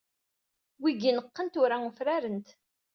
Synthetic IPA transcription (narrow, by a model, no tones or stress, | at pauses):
wiɡinəqːənt̪ʊɾaŋəfɾæɾənt̪